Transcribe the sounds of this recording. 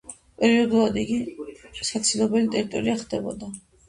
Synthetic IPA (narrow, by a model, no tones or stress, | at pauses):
pʼɛɾiɔd̪ulˠad̪iɡisat̪sʰilˠɔbɛlit̪ʼɛɾit̪ʼɔɾiaχd̪ɛbɔ̰d̪a